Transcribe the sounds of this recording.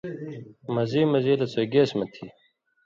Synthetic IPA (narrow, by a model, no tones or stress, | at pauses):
mɐziːmɐziːlɐt͡sojɡeːsmɐt̪ʰi